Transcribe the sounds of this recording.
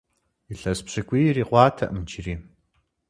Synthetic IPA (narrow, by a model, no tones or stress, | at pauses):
iɬɐspɕɨkʷʼiːjriːqʷɑːtʰɐʔɨmt͡ʃʰiriː